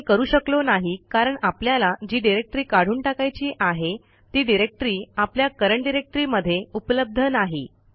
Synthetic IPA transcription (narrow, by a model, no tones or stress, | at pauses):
kəɾuːɕəklonaɦikaɾəɳapljalad͡ʑiːɖiɾek̚ʈɾiːkaɽ̤uːɳʈakajt͡ɕiːʔaɦe | t̪iːɖiɾek̚ʈɾiːapljakəɾəɳɖiɾek̚ʈɾiːməd̪ʱːjeupələb̚d̪ʱənaɦḭ